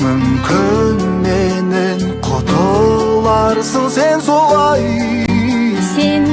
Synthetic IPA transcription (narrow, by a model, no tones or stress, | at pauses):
mʏmkʲʰɪn | menɪ | qʰot̪ʰəlˠɑɾsəɴse̞nso̞lˠɑj | sen